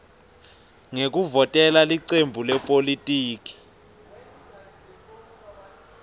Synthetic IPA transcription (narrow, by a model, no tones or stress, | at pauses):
ŋek̬uvɔtʼɛlaliǀembʱulɛpʼolitʼiːk̬ʼi̥